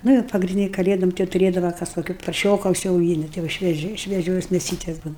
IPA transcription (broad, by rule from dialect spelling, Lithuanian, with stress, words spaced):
ˈnʊ jɛʊ pɐɡrʲɪnʲˈdʲiːnʲɪ kɐˈlʲeːdoːm ˈtɐɪ jɛʊ tʊˈrʲeːdɐʋɐ ˈkɐs koːˈkʲɪ pɐrʲˈʃʲoːkɐ ʊʃʲsʲɛʊˈɡʲiːnʲɪ ˈtɐɪ jɛʊ ʃʲʋʲiɛˈʒʲɛɪ ʃʲʋʲiɛˈʒʲoːs mʲeːˈsʲiːtʲɛs ˈbuːnɐ